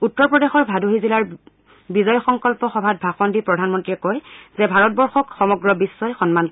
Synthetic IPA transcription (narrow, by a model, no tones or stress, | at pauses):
utːɔɹpɹɔdexɔɹbʱaduɦizilaɹ | bizɔjɔxɔŋkɔlpɔxɔbʱat̚bʱaxɔndipɹɔdʱanmɔntɹiɛkojzɛbʱaɹɔt̚bɔɹxɔkxɔmɔɡɹɔbisːɔjxɔnman